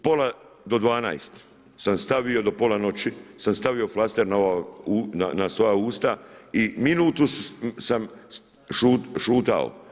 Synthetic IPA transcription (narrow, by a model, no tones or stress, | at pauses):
po̞la | d̪o̞d̪ʋaːna̰jst̪ | samst̪aʋio̞d̪o̞po̞lano̞t͡ɕisamst̪aʋio̞flast̪e̞ɾnaoʋaunanaso̞jauːst̪aiminuːt̪ussam | ʃuʃuːt̪a̰o̰